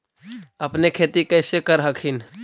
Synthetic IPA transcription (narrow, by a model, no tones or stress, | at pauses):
əpnekʰet̪ikəɪsekəɾɦəkʰin